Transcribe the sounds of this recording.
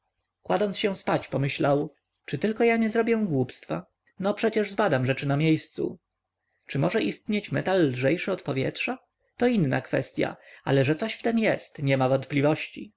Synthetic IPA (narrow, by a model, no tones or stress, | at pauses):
kwad̪ɔnsɕɛ̃spat͡ɕpɔmɘɕlaw | t͡ʂɘt̪ɘlkɔjaɲɛzɾɔbʲjɛ̃ɡwupst̪fa̰ | nɔpʂɛt͡ɕɛʐzbad̪amʐɛt͡ʂɘnamʲjejst̪sṵ | t͡ʂɘmɔʐɛʔist̪ɲet͡ɕmɛt̪alːʐɛjʂɘɔt̪pɔvʲjɛ̰tʂa | t̪ɔinːa̰kfɛ̰st̪ʲja̰a̰lɛʐɛt̪sɔɕft̪ɛmjɛst̪ɲɛmavɔnt̪̚plʲivɔɕt͡ɕḭ